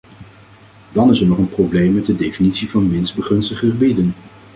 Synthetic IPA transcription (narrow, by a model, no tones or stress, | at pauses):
dɑnɪsəɹnɔχənprowblejmːɛd̚dədejfinitsivɑnmɪnzbəχɵnstəχəχəbidən